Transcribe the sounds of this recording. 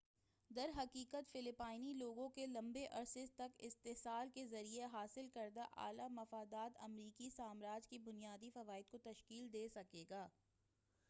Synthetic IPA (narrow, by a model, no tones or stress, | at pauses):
d̪ɐɾɦɐkiːkət̪fɪlɪpaːɪniloːɡõkelɐ̃mbeʔɐɾsɪzt̪ɐkɪst̪eɦsaːlkezɐɾieɦaːsɪlkɐɾd̪aʔa̰ːlamɐfaːd̪aːt̪ɐ̰mɾiːkisaːmɾaːd͡ʒkibʊnijaːd̪ifɐʋaːɪd̪̚kot̪ɐʃkiːld̪eːsɐkeːɡaː